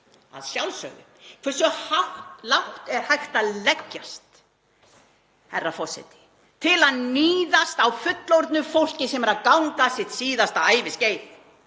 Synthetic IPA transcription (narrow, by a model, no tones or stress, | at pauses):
a̰ðsjawlsœ̰ːɣʏ̰kʰvɛ̥sʏhawht̪lawht̪ɛɾ̥hajxt̪aðlɛcːast̪ | hɛrːafɔ̥sɛ̰jt̪ɪ̥ | t̪ʰɪlaðniːðast̪awfʏt̪lowɾt̪nʏfowl̥cɪsɛmɛɾaðkawŋkasɪt̪siːðast̪aaːjvɪsceːjð